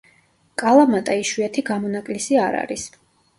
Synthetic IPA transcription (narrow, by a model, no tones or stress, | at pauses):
kʼalˠamat̪ʼaiʃwiat̪ʰiɡamɔnakʼlisiaɾa̰ɾis